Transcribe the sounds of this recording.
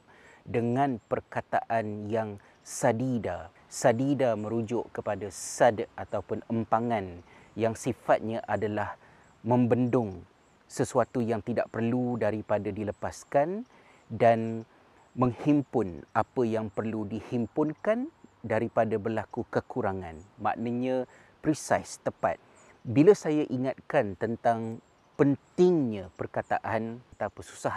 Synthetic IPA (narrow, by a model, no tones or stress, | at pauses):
dəŋãnpərkat̪aʔanjaŋ | sadida | sadidamə̃ɾud͡ʒʊʔkəpadasadat̪aupʊnəmpaŋãnjaŋsifat̪̚ɲãʔadalah | mə̃mbəndʊŋ | səsuat̪ujaŋt̪ida̰ʔpərludaɾipadadiləpaskan | dan | mə̃ŋhimpʊnapəjaŋpərludihimpʊnkandaɾipadabərlakukəkuɾaŋãnma̰ʔnaɲã | pɾisajst̪əpa̰t̪̚ | biləsajaʔiŋat̪̚kant̪ənt̪aŋ | pənt̪ɪŋɲãpərkat̪a̰ʔanat̪apəsu̥saɦa